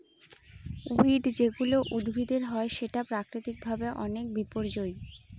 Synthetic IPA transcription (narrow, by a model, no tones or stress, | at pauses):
uiɖd͡ʑeɡuloʔud̪bʱid̪eɾɦɔeʃeʈapɾakɾit̪ik̚bʱabeʔɔnek̚bipoɾd͡ʑoj